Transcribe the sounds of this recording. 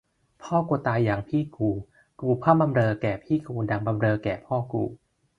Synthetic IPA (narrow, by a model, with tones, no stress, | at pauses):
pʰɔː˥˩kuː˧t̪aː˧jːaː˨˩ŋpʰiː˥˩kuː˧˩ | kuː˧pʰaː˥˩mba˧mɾɤː˧kɛː˨˩pʰiː˥˩kuː˧da˧ŋba˧mɾɤː˧kɛː˨˩pʰɔː˥˩kṵː˧˩